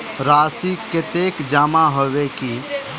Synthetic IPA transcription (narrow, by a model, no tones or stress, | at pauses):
ɾaːsiket̪eːkd͡ʒaːmãɦoʋeki